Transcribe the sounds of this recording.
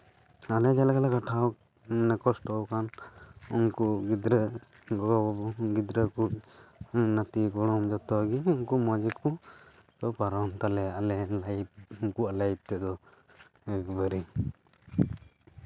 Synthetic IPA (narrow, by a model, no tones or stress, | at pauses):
alɛd͡ʒɛlaɡalakaʈʰaw | nɛkɔsʈɔwkanɔŋkuɡid̪ɾə | ɡɔɡid̪ɾəku | nat̪iɡɔɽ̃ɔmd͡ʒɔt̪ɔɡiuŋkumad͡ʒiku | t̪ɔpaɾɔnt̪alɛalɛlajb̚uŋkuʔalajb̚t̪ɛd̪ɔ | ɛkbəɾi